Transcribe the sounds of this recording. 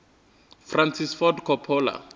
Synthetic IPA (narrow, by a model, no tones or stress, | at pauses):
fransisfɔdkʰɔpʰɔːla̰